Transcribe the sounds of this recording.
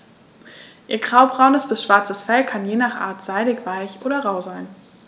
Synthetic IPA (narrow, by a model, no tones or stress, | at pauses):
ʔiːɐɡʁaʊbʁaʊnəsb̥ɪsʃv̥aɐt͡səsfɛlkʰanjeːnaːχʔa̰ːɐtz̥aɪɾɪçv̥aɪçʔoːɾɐʁaʊzaɪn